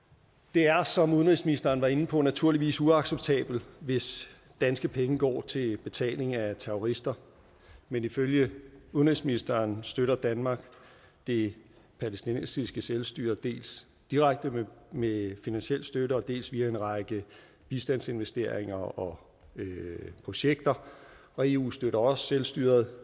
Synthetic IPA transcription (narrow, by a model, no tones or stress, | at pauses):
d̥e̝æɐsɒ̽muðˠnʁisminisd̥ɐːn̩ʋɑ̈e̝n̩pʰɒ̽næt͡sʰuɐliʋḭːsuɑ̈ɡ̥seb̥̚t͡sʰɛ̰ːb̥l̩ʋe̝s | d̥ænsɡ̥əpʰeŋəɡ̥ɒ̰ːt͡sʰe̝lb̥e̝t͡sʰɛ̰ːle̝ŋæt͡sʰeʁoʁisd̥ɐ | meniføljəuðˠnʁisminisd̥ɐːnsd̥øɾɐd̥ænmɑ̈ːɡ̥ | d̥e̝ | pʰælestinḛnsisɡ̥əselsd̥y̰ːɐðˠd̥e̝̰ːls | d̥iʁäɡ̥̚d̥əmmefinænsel̰sd̥øɾəɒ̽d̥e̝̰ːlsʋiːæe̝nʁɑ̈ɡ̥ə | b̥isd̥ænse̝nʋesd̥e̝ɐ̰e̝ŋɐɒ̽ | pʰʁo̝ɕeɡ̥d̥ɐ | ɒ̽e̝ːṵːsd̥øɾɐɒ̽sselsd̥y̰ːɐð̞̩ˠ